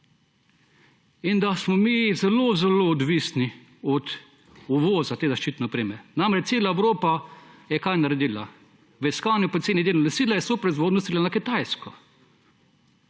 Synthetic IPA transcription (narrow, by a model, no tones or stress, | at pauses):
ind̪asmɔmizɛlozɛloːd̪ʋiːsni | ɔt̪ | uʋɔːzat̪eːzaʃt͡ʃiːt̪nopɾiːmɛɾnamɾɛt͡ʃ̪seːlaɛʋɾoːpajɛkajnaɾɛd̪iːla̰ | ʋɛiskaːnjʊpɔt̪seːnid̪eːlunɛsiːlajɛsoːpɾɔizʋoːd̪nɔst̪ilanakit̪ajskɔ